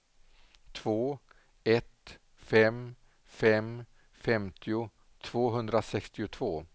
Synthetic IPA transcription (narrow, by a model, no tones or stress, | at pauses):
t̪ʰv̥oː | ɛt̪ | fɛm | fɛm | fɛmt̪ʰɪʊ | t̪ʰv̥oːɦɵnd̪ɾasɛkst̪ɪʊt̪ʰvoː